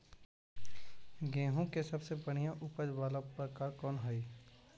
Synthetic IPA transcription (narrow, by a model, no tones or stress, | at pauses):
ɡẽːɦõkesɐbsebɐɽ̤̃ijãʔʊpəd͡ʒʋaːlapɾəkaːɾkɔːnɦai